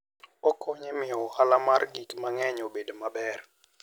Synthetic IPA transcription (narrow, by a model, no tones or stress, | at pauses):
ɔkʰɔɲemɪɔhalamarɡikmaŋɛɲobedomabɛr